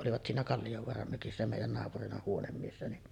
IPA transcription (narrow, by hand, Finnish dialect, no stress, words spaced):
ʔoliʋɑt siːnæ kɑlːijoʋoɑrɑm møkisːæ meˑijˑæn nɑːpurinɑ huonemːiesːæ niʔ